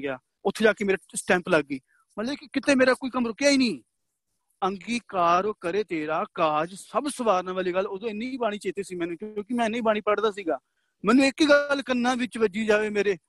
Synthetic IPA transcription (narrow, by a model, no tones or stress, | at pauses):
ɡɪjaː | ʊt̪ʰːed͡ʒaːkeːmeːɾasʈɛ̃ːmpləɡːiː | mət̪lkːkɪt̪eːmeːɾaːkoːiːkəmɾʊkːjaːiːnĩː | əŋɡiːkaːɾokəɾeːt̪eːɾaːkaːd͡ʒsəbsəʋaːɾnãːʋaːliːɡəloːd̪õːɪnːiiːbaːɽ̃iːt͡ʃeːt̪eːsiːmɛːnũːkjoõːkɪmɛ̃ːɪnːẽːiːbaːɽ̃iːpəɽd̪aːs̬iːɡaː | mɛ̃ːnũːɪkɡəlkənːãːʋɪt͡ʃʋəd͡ʒiːd͡ʒaːʋeːmeːɾeː